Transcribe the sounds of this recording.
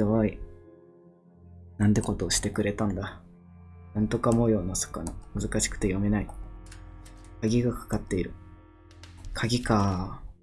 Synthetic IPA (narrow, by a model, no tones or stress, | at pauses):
joβai | nãnd̪e̞kot̪o̞ːɕi̥t̪e̞kɯ̟ɾe̞t̪ãnd̪a | nãnt̪o̞kamo̞jo̞ːnaso̥kaɲimɯ̟zɨkaɕi̥kɯ̟̥t̪ejo̞me̞nai | kaɡʲiɡakḁkat̪ːe̞iɾɯ̟ | kʰaɡʲikaː